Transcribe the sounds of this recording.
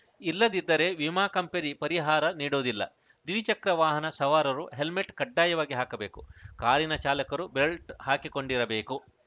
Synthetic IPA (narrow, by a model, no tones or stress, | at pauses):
ilːɐd̪id̪ːɐɾe̞ʋimaːkɐmpeɾipɐɾiɦaːɾɐniːɽoːd̪ilːɐ̰ | d̪iʋit͡ʃɐkɾɐʋaːɦɐnɐsɐʋaːɾɐɾuɦe̞lmeʈkɐɖːaːjɐʋaːɡiɦaːkɐbeːkukaːɾinɐt͡ʃaːlɐkɐɾubɾelʈhaːkiko̞ɳɖiɾɐbeːku